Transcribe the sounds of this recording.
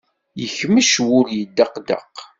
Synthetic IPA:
jəçməʃwʊɾjəd̪ːɑqd̪ə̰q

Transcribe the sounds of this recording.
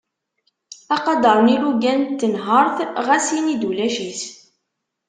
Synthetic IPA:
ɑqɑd̪əɾˤniluɡænt̪ːənɦəɾˤθʁæsinid̪ulæʃis

